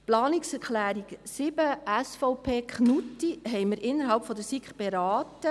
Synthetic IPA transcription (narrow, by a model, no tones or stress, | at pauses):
plɑːniksɛɾklæːɾiksɪb̥əæsfɔʊpʰeːkχnutiɦɛjməɾʔɪnːəɾɦɑlpfɔd̪əsikχb̥eɾɑːtə